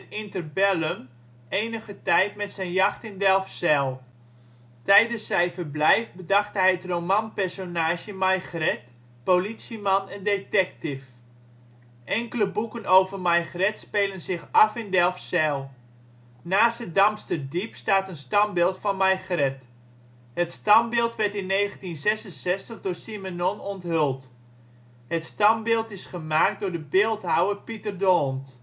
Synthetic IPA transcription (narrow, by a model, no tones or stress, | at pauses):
tɪntərbɛləm | eːnəɣətɛjtmɛtsɛjnjɑxtɪndɛlˠfsɛlˠ | tɛjdənsɛjfərblɛjfbədɑxthɛjətromanpɛrsonaːʒjəmajxrɛt̚ | politsimɑnəndetɛktɪf | ʔɛŋkələbukənowvərmajxrɛtspeːlənsɪxɑfɪndɛlˠfsɛlˠ | naːsədɑmstədipstaːtənstɑmbɪːlˠtfɑnmajχrɛt | hətstɑmbɪːlˠtʋɛɹtɪnːeːχəntinsɛsənsɛstəχdʊːrsimenɔnɔntɦølˠt | hətstɑmbɪːlˠtɪsχəmaːk̚t̚dʊɹdəbɪːlˠtɦawəpitərdoːnt